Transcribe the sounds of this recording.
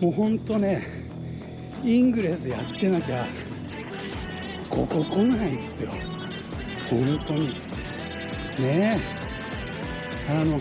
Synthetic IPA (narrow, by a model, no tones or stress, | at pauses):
moːɦõ̞nt̪o̞ne | ĩŋɡɯ̟ɾe̞sɨjat̪ːe̞nakʲa | kʰo̰kokõñɦãĩnd̪esɨjo̰ | hõnt̪o̞ɲ̟i | ne | ano̞